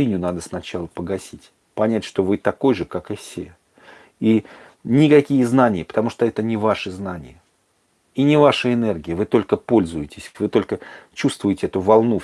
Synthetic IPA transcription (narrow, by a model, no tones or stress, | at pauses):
inʲʊnad̪əsnɐt͡ɕalˠəpəɡɐsʲitʲ | pɐnʲætʲʂt̪o̞vɨt̪ɐko̞jʐɨkakɨfsʲḛ | i | nʲɪkɐkʲijəznanʲɪjəpə̥t̪ɐmuʂt̪oɛt̪ənʲɪvaʂɨznanʲɪ̰jə | inʲɪvaʂɨɪnerɡʲɪjəvɨt̪o̞lʲkəpo̞lʲzʊjɪtʲɪ̥sʲvɨt̪o̞lʲkət͡ɕust̪vʊjɪtʲɪɛt̪ʊvɐlˠnu